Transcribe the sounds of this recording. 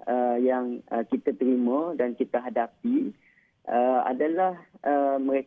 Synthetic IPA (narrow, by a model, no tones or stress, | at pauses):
əjaŋəkit̪at̪əɾimə̃dankit̪aɦadapi | ʔəa̰dalahʔəməɾe